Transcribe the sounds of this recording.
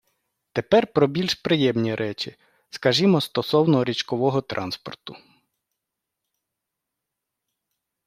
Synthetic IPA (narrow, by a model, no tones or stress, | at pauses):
t̪epɛrpɾɔbʲilʲʃpɾɪjɛmnʲiɾʔɛt͡ʃi | skɐʒimɔst̪ɔsɔwnɔɾʲit͡ʃkɔʋɔɦɔt̪ɾʔɑ̰nspɔ̰rt̪ʊ